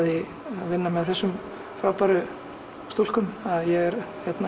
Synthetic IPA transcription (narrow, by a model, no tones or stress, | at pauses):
ðɪ | aðvɪnːamɛðθɛsːʏm | fɾawpaɾʏ | st̪ol̥kʏmaðjɛɣɛɾ | çjɛt̪na